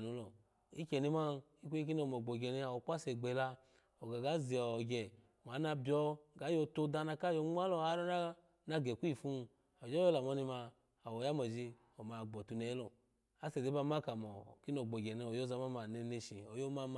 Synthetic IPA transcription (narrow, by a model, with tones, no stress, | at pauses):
nu˨˦lɔ˨ | i˦kɛ˨ni˧˦ma˦i˦kʷu˦i˦k̬i˦n˦ɔ˧˨mɔ˨ɡ͡bo˨ɡɛ˨ni˧a˨wɔ˨˦k͡pʷa˦sɛ˨ɡ͡bɛ˨la˧ | ɔ˨ɡa˨ɡa˨˦zi˨ɔ˨ɡɛ˨ | m˨a˨˦na˧bjɔ˧ɡa˨˦jo˧to˧da˧na˧ka˦jo˧˦ŋ͡ma˦lɔ˧a˧˦ɾɔ˦na˦ | na˧ɡɛ˨ku˦i˦˨fu˦˧ | ɔ˨d͡ʒɔ˦o˦la˨mɔ˧ni˧ma˧ | a˨wɔ˨ja˦mɔ˨d͡ʒi˧ | ɔ˨ma˨ɡ͡bɔ˨tu˧˨nɛ˨˦lɔ˨ | a˦sɛ˨de˦ba˧˦ma˦ka˨mɔ˨ki˦n˦ɔ˨ɡ͡bo˨ɡɛ˨nɛ˧˨ɔ˨jo˦za˧˦ma˦ma˨nɛ˧ne˧ʃi˨ɔ˨jo˦ma˦m˧